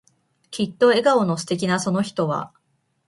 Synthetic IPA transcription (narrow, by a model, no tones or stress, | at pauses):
kʲit̪ːo̞e̞ɡao̞no̞sɨ̥t̪e̞kʲinaso̞no̞çi̥t̪o̞βa̰